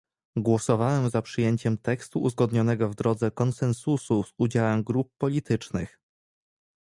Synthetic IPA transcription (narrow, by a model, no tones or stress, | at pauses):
ɡwɔsɔvawɛmzapʂɘjeɲt͡ɕɛmt̪ɛkst̪uʔuzɡɔd̪ɲɔnɛɡɔvd̪ɾɔd̪zɛkɔnsɛnsusuz̥ud͡ʑawɛmɡɾupːɔlʲit̪ʰɘt͡ʂnɘx